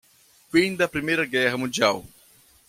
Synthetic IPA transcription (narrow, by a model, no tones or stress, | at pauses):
fĩd̪ɐpɾimejɾɐɡɛɦɐmũnd͡ʒiaw